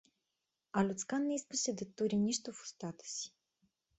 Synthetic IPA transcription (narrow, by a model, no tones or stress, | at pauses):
alʲʊt̪skanːɛiskəsɛd̪ɛt̪ːuɾʲiniʃt̪ʊfʊ̥st̪at̪ə̥si̥